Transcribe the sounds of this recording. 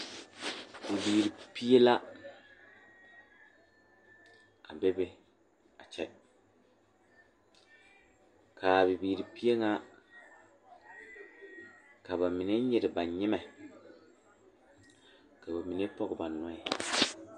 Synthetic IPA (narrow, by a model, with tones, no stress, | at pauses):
bi˨biː˨ɾi˨pi˦e˦la˦ | a̰˨be˦bɪ˦ | a˨t͡ʃɛ˨ | kʰa˨bi˨biː˨ɾi˨pi˦e˦ŋa˦ | ka˨ba˨mi˨ne˦ɲɛ˨ɾɪ˨ba˨ɲɪ˦mɛ˨ | ka˨ba˨mi˨ne˦pɔ˦ɡɪ˨ba˨nɔ˦ɪ˨